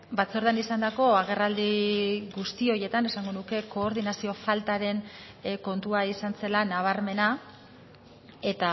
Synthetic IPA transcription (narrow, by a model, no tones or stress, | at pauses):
bat͡so̞ɾðanisand̪ako̞aɣ̞e̞rald̪iɣust̪io̞je̞t̪ane̞saŋɡo̞nuke̞ko̞ːɾðinasio̞falt̪aɾe̞n | ko̞nt̪uaisanse̞lanaβ̞aɾme̞na | e̞t̪a